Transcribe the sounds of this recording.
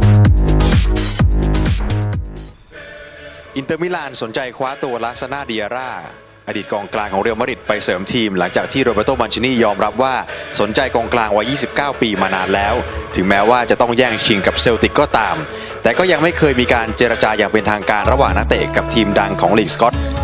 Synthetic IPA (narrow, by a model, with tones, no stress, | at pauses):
ʔi˧nt̪ɤː˧mi˦˥laː˧nso˩˦nt͡ɕa˧jkʰwaː˦˥t̪u˧ɐlaː˦˥sa˧naː˥˩di˧ʔaː˧ɾaː˥˩ | ʔaː˧diː˨˩t̪̚kɔː˧ŋklaː˧ŋkʰɔː˩˦ŋɾe˧wma˦˥ɾi˨˩t̪̚pa˧jsɤː˩˦mt̪ʰiː˧mla˩˦ŋt͡ɕaː˨˩k̚t̪ʰiː˥˩ɾoː˧baː˧˩t̪oː˥˩ma˧nt͡ɕʰi˧˦niː˥˩jɔː˧mɾa˦˥p̚waː˥˩so˩˦nt͡ɕa˧jkɔː˧ŋklaː˧ŋwa˦˥jːiː˥˩si˨˩p̚kaː˥˩wpiː˧maː˧naː˧nlɛː˦˥wt̪ʰɯ˩˦ŋmɛː˦˥waː˥˩t͡ɕa˨˩t̪ɔ˥˩ŋjɛː˥˩ŋt͡ɕʰi˧ŋka˨˩p̚seː˧wt̪i˨˩kːɔː˥˩t̪aː˧m | t̪ɛː˨˩kɔː˥˩ja˧ŋma˥˩jkʰɤː˧jmiː˧kaː˧nt͡ɕeː˧ɾa˧t͡ɕaː˧jaː˨˩ŋpe˧nt̪ʰaː˧ŋkaː˧nɾa˧waː˨˩ŋna˦˥t̪ḛ˨˩ka˨˩p̚t̪ʰiː˧mda˧ŋkʰɔː˩˦ŋliː˨˩k̚skɔ˦˥t̪̚